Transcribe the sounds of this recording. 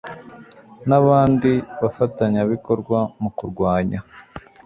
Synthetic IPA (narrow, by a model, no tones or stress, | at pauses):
naβaːndiβafataɲaβiko̞ɾɡwamukuɾɡwaːɲa